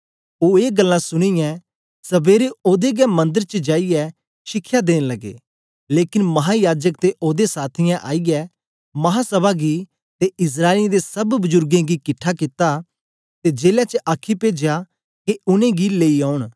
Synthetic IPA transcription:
oːeːɡəlːãsʊɽ̃ijɛ̃ | sɐbeːɾeoːd̪eɡɛmɐ̃nd̪əɾt͡ʃəd͡ʒaːijɛ | ʃɪkʰːjad̪eːñlɐɡḛː | leːkɪnmɐɦajaːd͡ʒəkt̪eʔoːd̪esaːt̪ʰɪjãʔaːiɡɛ | mɐɦasɐbaɡi | t̪eɪs̬ɾaːɪld̪esɐbbʊzʊɾɡẽɡikɪʈʰːakɪt̪a | t̪ed͡ʒeːljat͡ʃəʔaːkʰipeːd͡ʒeja | keʊnẽɡileːiaːʊɽ̃

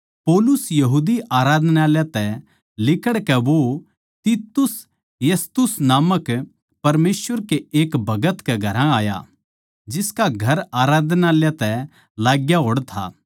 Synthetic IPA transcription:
poːlʊsjɐɦuːd̪iaːɾaːd̪naːljat̪ɛ | lɪkəɽkɛʋo | t̪it̪ʊs | jɐst̪ʊsnaːmək | pɐɾmeːsʋəɾkeeːkbʱɐɡət̪kɛɡʱɐɾãaːja̰ | d͡ʒɪskaɡʱɐɾaːɾaːd̪ʱnaljat̪ɛ | laːɡjaɦoːɽt̪ʰa̰ː

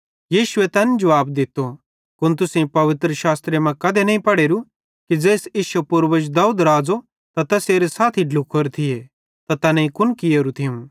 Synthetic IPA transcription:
jiːʃʊet̪ɛːnd͡ʒɐʋaːbd̪ɪt̪ːo | kʊnt̪ʊsẽpɐʋɪt̪ɾəʃaːst̪ɾemɐ̃kɐd̪enɐĩpɐɽeːɾu | kid͡zeːsiːʃɐpʊɾʋəd͡ʒd̪aːuːd̪ɾaːd͡zo | t̪at̪ɛseːɾesaːt̪ʰiɖlʊkʰːoɾt̪ʰɪje | t̪at̪ɛːnɛ̃ĩkʊnkɪjeːɾut̪ʰɪũ

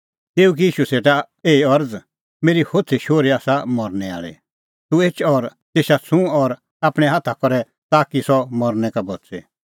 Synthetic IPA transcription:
t̪eːuk̬iiːʃuseːʈa | eːiɔɾd͡z | meːɾihoːt̪t͡sʰeʃoːɾiaːsamɔɾnɛa̰ːɭḛ | t̪ueːt͡ʃʰɔːɾt̪eːʃat͡sʰũɔːɾ | aːpɽ̃ɛ̃ɦaːt̪ʰakɔɾɛ | t̪aːkisɔmɔɾnɛkabɔtt͡sḛ

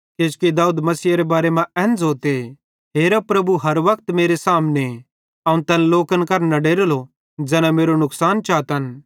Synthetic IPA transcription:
ket͡ʃkid̪aːuːd̪mɐsiːaɾebaːɾemãɛ̃ːnd͡zoːt̪e | ɦeːɾapɾɐbuɦɐɾʋɐkt̪meːɾesaːmne | ɐũnt̪ɛnloːkənkɐɾnɐɖeːɾlo | d͡ʒɛːnãmeːɾonʊksaːnt͡ʃaːt̪ɦɐn

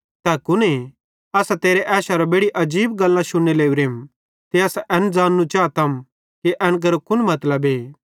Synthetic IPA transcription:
t̪ɛːkʊne | ɐsat̪eːɾeʔɛːʃaɾabeːɽiʔɐd͡ʒiːbɡɐlːãʃʊɽeleːuɾeːm | t̪eɐsʔɛnd͡zaːnːut͡ʃaːt̪ɐm | kiʔɛ̃ːnk̬ɐɾokʊnmɐt̪ləbeː

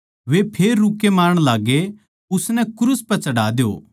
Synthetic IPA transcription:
ʋepʰeːɾːukːemaːɾəɽ̃laːɡe | ʊsnɛkɾuspɐt͡ʃɐɽaːd̪jo̰ː

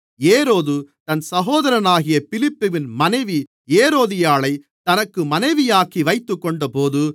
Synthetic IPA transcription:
eːɾoːðɯt̪ɐnsɐɣoːðɐɾɐnaːɣɪjɐpɪlɪpːɯʋɪnmɐnɐɪʋi | eːɾoːðɪjaːɭɐɪ | t̪ɐnɐkːɯmɐnɐɪʋɪjaːkiʋɐɪt̪ːɯkːɔɳɖɐpoːðɯ

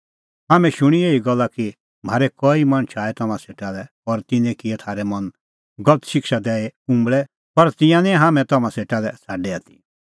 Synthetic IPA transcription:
ɦaːmɛ̃ʃʊɽ̃ieːiɡɔlːaki | m̤aːɾɛkɔimɐ̃nt͡ʃʰaːɛt̪ɐmãseːʈalɛ | ɔɾt̪ɪnɛ̃kɪɛt̪ʰaːɾɛmɐ̃n | ɡɔlət̪ʃɪkʃad̪ɛːeũmbɭɛ | pɐɾt̪ɪ̃jãnɛ̃ɦaːmɛ̃t̪ɐmãseːʈalɛsaːɖɛaːt̪i̥

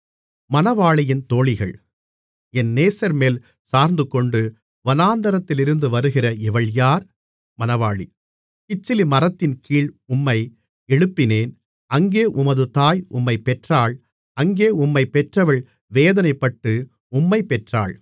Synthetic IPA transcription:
mɐnɐʋaːɭɪjɪnt̪oːɭɪɣɐɭ | ɛnːeːsɐɾmeːl | saːɾnd̪ɯkɔɳɖɯ | ʋɐnaːnd̪ɐɾɐt̪ːɪlɪɾɯnd̪ɯʋɐɾɯɣɪrɐɪʋɐɭjaːɾ | mɐnɐʋaːɭḭ | kɪt͡ʃːɪlimɐrɐt̪ːɪnkiːɭʊmːɐɪ | ɛɻɯpːɪneːn | ɐŋɡeːʔʊmɐðɯt̪aːjʔʊ̰mːɐɪpɛʈraːɭ | ɐŋɡeːʊmːɐɪpɛʈrɐʋɐɭ | ʋeːðɐnɐɪpːɐʈːɯ | ʊmːɐɪpɛʈra̰ːɭ

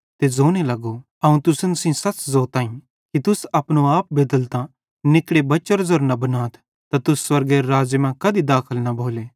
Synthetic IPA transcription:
t̪ezoːnelɐɡo | ɐũt̪ʊsənsĩsɐt͡ʃzoːt̪aːĩ | kit̪ʊsɐpñoaːp̚beːd̪əlt̪ã | nɪkɽebɐt͡ʃɔɾzɔɾnɐbɐnaːt̪ʰ | t̪at̪ʊsːwɐɾɡeɾaːd͡ʒjmɛ̃kɐd̪id̪aːkʰəlnɐbʱoːle

